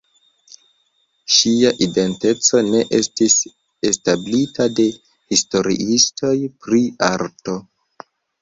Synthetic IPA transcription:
ʃiaʔide̞nte̞t͡so̞ne̞ʔe̞stis | establitade̞ | histo̞ɾḭʔistʰo̞jpɾiaɾto̞

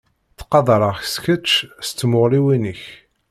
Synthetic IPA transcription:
θqɑðˤɾˤəʁçskət͡ʃːst͡sːmʊʁliwinəç

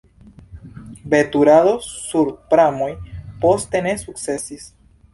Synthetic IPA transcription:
be̞t̪uɾaðo̞ːuɾpɾamojpo̞st̪e̞ne̞suk̚t͡se̞sis

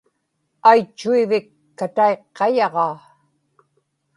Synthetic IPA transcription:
ajt͡ʃːuivɪkːat̪aeqːɑjɑʁɑː

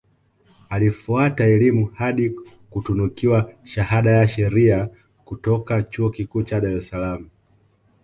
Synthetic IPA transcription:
alifuataɛlimuhaɗi | kutunukiwaʃahaɗajaʃɛɾia | kutɔkat͡ʃuɔkikuːt͡ʃaɗaɾɛsalamu

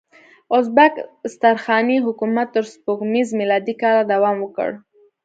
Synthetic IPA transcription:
ʊzbakst̪aɾxɑniɦʊkumat̪ːəɾspoɡmizmilɑd̪ikɑlad̪awɑmwəkə̰ɽ

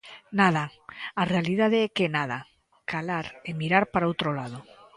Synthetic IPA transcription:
naðaarealiðaðeɛkenaða̰ | kʰalaɾemiɾaɾpaɾaowt̪ɾolaðo

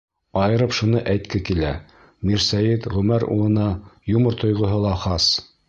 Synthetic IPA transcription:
ɑjɤ̆ɾɤpʃunɤʔæjt̪kɘkilæ | miɾsæjit̪ʁʉmæɾṵlˠɤ̆nɑjumɤɾt̪ʰŏjʁŏɦɤlˠɑχɑs

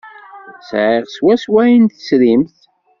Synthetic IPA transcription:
sʕɪʁswæswæjint̪ə̥sɾimθ

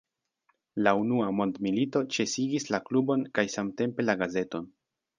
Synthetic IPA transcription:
launuamo̞ndmilito̞t͡ʃe̞siɡislaklubo̞nkajsamte̞mpe̞laɡaze̞to̞n

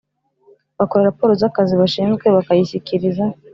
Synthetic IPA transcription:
βako̞ɾeɾapoɾozakaziβaʃiːnzɡwe̞βakajiɕikʰiɾiza

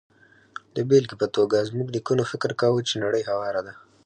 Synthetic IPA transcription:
d̪əbelkepət̪oɡazmuɡd̪əkunofɪkɾkawut͡ʃenaɽəjɦawɑɾad̪a

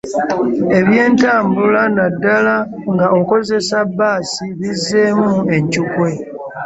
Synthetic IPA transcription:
e̞βje̞ːntaːmbulanadːala | ŋɡao̞ko̞ze̞sabːaːsiβizːe̞mue̞ɲcukwe̞

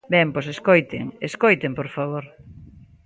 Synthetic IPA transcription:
bɛŋposeskojt̪eŋeskojt̪empoɾfaβoɾ

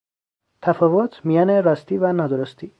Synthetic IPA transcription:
t̪ʰæfɒːvot̪ʰmijɒːneɾɒst̪ivænɒːd̪oɾost̪i

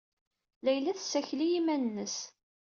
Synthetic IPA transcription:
læjlæθsːæçlijimænənːəs

